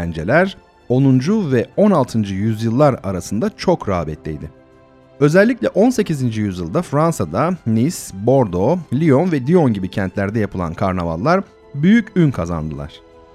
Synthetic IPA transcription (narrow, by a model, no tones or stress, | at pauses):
ænd͡ʒḛlʲæɾ | o̞nˠund͡ʒuvɛo̞nalˠt̪ʰɯnd͡ʒɯjyzjɯlˠːaɾa̰ɾasɯnd̪at͡ʃʰo̞kɾaːbɛt̪lʲḭjd̪ɪ | ø̞zɛlʲːicʲlʲɛʔo̞nse̞cizind͡ʒijyzjɯlˠd̪afɾansad̪anisbo̞ɾd̪olʲijo̞nvɛd̪io̞nɟibicʰɛnt̪lʲæɾd̪ɛjapʰɯlˠa̰nkʰaɾnava̰lˠːaɾ | byjycynkʰaza̰nd̪ɯlˠa̰ɾ̥